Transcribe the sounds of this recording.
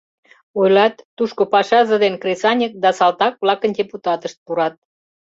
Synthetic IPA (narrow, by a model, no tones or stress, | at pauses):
ojlɑt̪ːuʃkopɑʃɑʒə̆d̪enkresɑnʲək̚d̪ɑsɑlt̪ɑk̚blɑkəndʲeput̪ɑt̪əʃt̪̚puɾɑt̪̚